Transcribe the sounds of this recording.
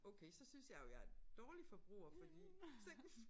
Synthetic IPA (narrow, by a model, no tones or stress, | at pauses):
ɔʊkʰeɪsɒ̽synsjɑ̈ɪjojɑɐed̥ɒːlifɒ̽b̥ʁṵːɐfɒ̽d̥iseŋs